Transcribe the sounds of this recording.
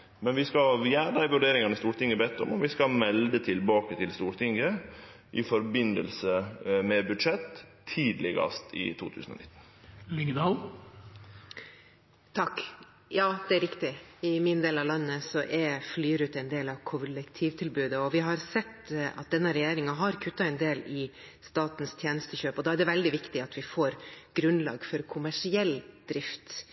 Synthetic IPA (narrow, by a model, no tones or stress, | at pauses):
mɛnʋɪskɑjæːɾəd̪æɪʋʉɖeːɾɪŋɑnəst̪uːɾʈ̪ɪŋːəbɛːt̪ːɔ̰mɔʋɪskɑlmɛld̪ət̪ʰɪlbɑːkət̪ʰɪlst̪uːɾʈ̪ʰɪŋːə | ʔɪfɔɾbɪnə̰lsəmɛbʉd̪ʂɛt̪ʰː | iːd̪lɪɡə̰st̪ɪ̰t̪ʰṵːt̪ʰʉːsən̩ɔ̰nɪ̰t̪ːn̩ | lɪŋd̪ɑːl | t̪ʰɑkː | jɑːd̪ɛæɾɪkt̪ɪɪmɪnd̪eːlɑʋlɑnːəsɔʔɛɾflyːɾʉːt̪ɛɪnd̪eːlɑʋkʰʊlɛkt̪ʰiːʋt̪ʰɪlbʉːd̪əɔʋɪɦɑɾsɛt̪ːɑ̰t̪̚d̪ɛnːəɾɛjeːɾɪŋɑɦɑɾkʰʉt̪ːɑɛnd̪eːlɪ | st̪ɑːt̪n̩st̪ʰjeːnəst̪əçøːpɔd̪ɑːæɖɛʋɛld̪ɪʋɪkt̪ɪɑt̪ʰʋɪfoːɾɡ̥ɾʉnlɑ̰ːɡfɔɾkʰʊmæʂɪɛld̪̥ɾɪft̪